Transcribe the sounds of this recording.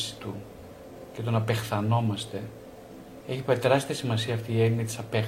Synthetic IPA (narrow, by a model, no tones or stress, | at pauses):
si̥t̪u | ce̞t̪o̞nɐpe̞xθɐno̞mɐst̪e̞ | e̞çipeit̪e̞ɾɐst̪iɐsimɐsiɐːft̪iːe̞ninit̪i̥sɐpe